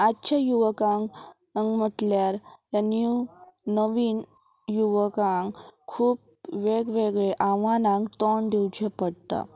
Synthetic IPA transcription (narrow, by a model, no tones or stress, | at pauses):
atːɕʰajuʋəkãŋ | əŋɡm̤əʈ̪ljaɾjanjuːəʋiːn | juʋəkãŋkkʰuːp̚ | ʋeɡʋeɡɭeʔaʋanãŋɡt̪ɔɳd̪iwt͡ɕepəɽt̪a̰